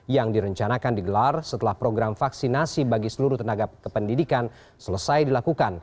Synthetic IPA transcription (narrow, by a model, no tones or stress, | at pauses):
jaŋdiɾəɲt͡ʃanakandiɡəlarsət̪əlahpɾoɡɾamfaksinasibaɡisəluɾuht̪ənaɡakəpəndidikan | sələsajdilakukan